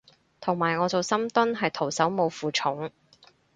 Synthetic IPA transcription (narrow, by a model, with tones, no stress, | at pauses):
t̪ʰʊ˨˩ŋmaː˨˩jŋɔː˨˧t͡so˨wsɐ˥mt̪ʊ˥nɦɐ˨jt̪ʰo˨˩wsɐ˨˥wmo˨˧wfuː˨t͡ʃʰʊ˨˥ŋ